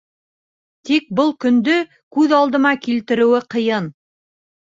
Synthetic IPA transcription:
t̪ik̚bɤlˠkɵ̆nd̪ɵ | kʉðɑlˠd̪ɤ̆mɑkilt̪ɘ̆ɾɘ̆wɘqɤ̆jɤn

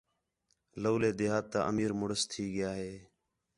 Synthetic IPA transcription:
loːleːd̪eːɦaːt̪ːa̰ːʔəmiːɾmʊɽəst̪ʰiːɡɪjaːɦeː

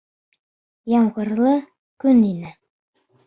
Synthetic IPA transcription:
jɑmʁɤ̆ɾlˠɤ | kʉninɘ

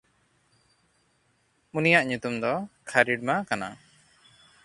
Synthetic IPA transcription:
unijaʔɲut̪umd̪ɔkʰaɾiɖmakana̰

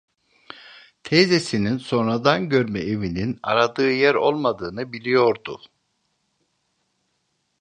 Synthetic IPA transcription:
t̪ʰezesininso̞nɾad̪anɟø̞ɾmɛʔevinina̰ɾad̪ɯːjæɾo̞lˠmad̪ɯːnɯbilʲijo̞ɾd̪u

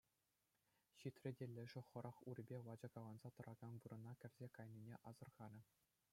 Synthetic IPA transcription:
ɕit̪ʲrʲɘ̆dʲelʲːɘ̆ʐɘ̆χɤ̆ɾʔɑχurʲɘ̆bʲeʋɑd͡ʑɤ̆kɑlˠɑnzɑt̪ɤ̆ɾʔɑɡ̥ɑnʋɯɾɤ̆nɑkʲɘ̆rʲzʲekɑjnʲinʲeʔɑzɤ̆rʁɑnʲɘ̆

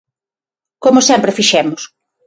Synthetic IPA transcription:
komʊsɛmpɾɪfiʃɛmʊs

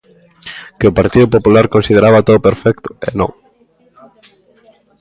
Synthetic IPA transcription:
keʊpaɾt̪iðʊpopulaɾkonsið̞eɾaβat̪oðopeɾfɛk̚t̪ʊ̥ḛnõŋ

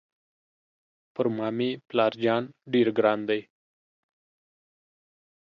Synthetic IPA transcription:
pəɾmaːmiplaːɾd͡ʒaːnɖiɾɡɾaːnd̪əj

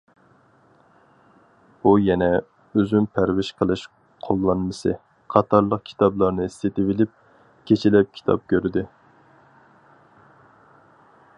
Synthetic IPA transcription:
ujɛnɛ | øzympʰæɾwɪʃqʰəlˠɨʃ | qʰolˠːɑnmɨsɨ | qʰɑt̪ʰɑɾlˠəq̚kʲʰi̥t̪ʰɑblˠɑɾnɨist̪et̪ɪvɪlɪp̚ | kʲʰet͡ʃʰilɛp̚kʲʰi̥t̪ʰɑ̰p̚kʲøɾd̪ɪ

